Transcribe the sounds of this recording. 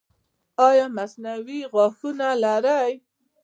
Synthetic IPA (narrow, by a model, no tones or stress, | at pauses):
ɑjɑmasnawiɣɑxunalaɾaj